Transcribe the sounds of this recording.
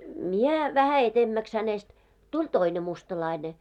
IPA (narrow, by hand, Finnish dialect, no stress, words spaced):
mie ʋæhæ etemːæks hænest tulʲ toine mustɑlɑine